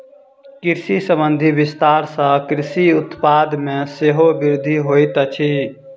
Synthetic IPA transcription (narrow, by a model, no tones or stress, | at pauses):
kiɾsisəbənd̪ʱibist̪aɾsə̃kɾisiʊt̪pad̪mẽseɦobiɾd̪ʱiɦojt̪ət͡ʃʰi